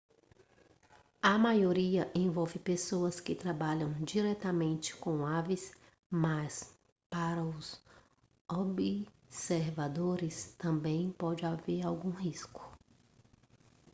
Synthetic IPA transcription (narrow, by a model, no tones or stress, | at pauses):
ɐmajoɾiɐʔẽvɔwvɪpesoɐskɪt̪ɾabaʎɐ̃w̃d͡ʒiɾɛt̪ɐmẽnt͡ʃɪ̥kõavɪs | mɐs | paɾɐʊz | obi | seɾvad̪oɾɪst̪ɐ̃mbẽj̃pɔd͡ʒɪaveɾawɡũɦiskʊ̥